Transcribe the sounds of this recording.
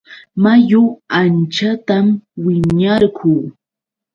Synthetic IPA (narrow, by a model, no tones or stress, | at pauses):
majʊant͡ʃat̪amwɪɲaɾkuː